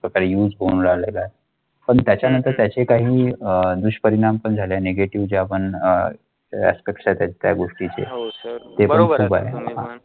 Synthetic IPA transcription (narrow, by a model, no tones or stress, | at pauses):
pɾəkaɾejuːd͡zɦounɾaɦla̰lae | pəɳt̪jat͡ɕjanənt̪əɾt̪jat͡ɕekaɦiːəd̪uɕpəɾiɽ̃ampəɳd͡zʱaleaneɡeʈiʋd͡ʑapəɳ | æ̰speksajt̪jat͡ɕt̪ja̰ɡoʂʈit͡sḛt̪epəɳkʰuːba̰ɦeɦa̰